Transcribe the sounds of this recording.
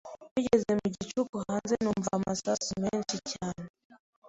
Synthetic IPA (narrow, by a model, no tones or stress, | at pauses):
wiʄɛzɛmiʄit͡ʃukuhanzɛnumvamasasumɛnt͡ʃit͡ʃana